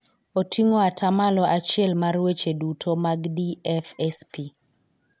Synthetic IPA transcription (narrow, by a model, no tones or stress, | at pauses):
otiŋoatʰamalɔʔat͡ʃɪɛlmarwet͡ʃedutʰomaɡdiɛfɛspi